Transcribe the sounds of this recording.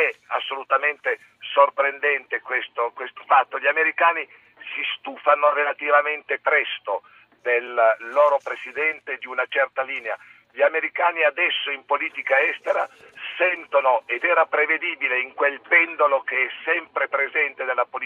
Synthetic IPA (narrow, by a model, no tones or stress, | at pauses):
ɛasːolut̪ament̪e | sorpɾend̪ɛnt̪ekwest̪okwest̪o̥fat̪ːoʎiameɾikaːni | sist̪uːfanorelat̪ivament̪epɾɛst̪o | d̪elːoːɾopɾesid̪ɛnt̪ed̪iunat͡ʃɛrt̪aliːnea̰ | ʎiameɾikaːniad̪ɛsːoimpoliːt̪ikaɛst̪eɾa̰ | sɛnt̪onoed̪ɛːɾapɾeved̪iːbileiŋkwelpɛnd̪olokeɛsːɛmpɾepɾezɛnt̪ed̪elːapoli